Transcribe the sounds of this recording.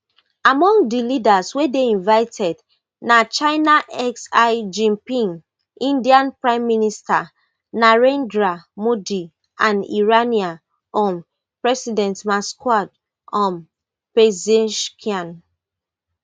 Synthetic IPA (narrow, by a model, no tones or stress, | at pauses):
amɔ̃ŋdilidaswedeĩnvaɪtʰɛd | nat͡ʃaɪnaʔɛksaɪd͡ʒĩmpĩŋ | ĩndiãnpɹãɪ̃mːinista | naɹɛ̃ndɹamudi | ãnḭɹania | ɔ̃m | pɹɛsidɛ̃ntmaskwad | ɔ̃m | pezɛʃkʰiãn